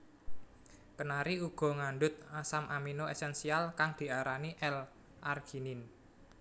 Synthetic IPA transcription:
kənaɾiuɡ̥ɔ̤ŋaɳɖʊt̪̚asamʔaminoesɛnsialkaŋd̪̥i̤aɾaniʔɛl | ʔarɡ̥i̤nɪn

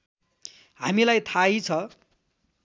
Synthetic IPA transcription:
ɦa̰milajt̪ʰait͡sʰʌ

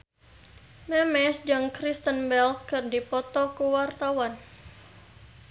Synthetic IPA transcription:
mɛmɛsd͡ʒaŋkɾist̪ənbɛlkɨrdipɔt̪ɔkuwart̪awan

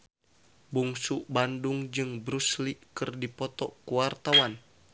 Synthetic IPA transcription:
buŋsuʔbanduŋd͡ʒɨŋbɾusliʔkɨrdipɔt̪ɔkuwart̪awan

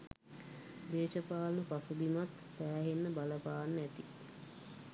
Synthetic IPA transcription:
d̪eːt͡ʃəpaːlnəpasubimat̪sæːɦenːəbaləpaːnæt̪i

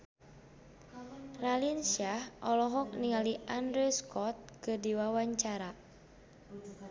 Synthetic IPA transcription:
ralinsahʔɔlɔɦɔk̚niŋaliʔandɾɔjskɔt̪̚kədiwawaɲt͡ʃaɾa

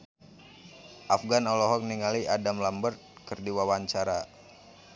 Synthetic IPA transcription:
ʔafɡanɔlɔɦɔk̚niŋaliʔadamlambərt̪̚kərdiwawaɲt͡ʃaɾa

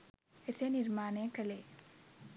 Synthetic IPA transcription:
ɪsenɪɾmaːnẽkəleː

